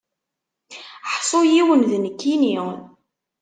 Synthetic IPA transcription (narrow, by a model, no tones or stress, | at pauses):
ħsˤojiwənðnəkːini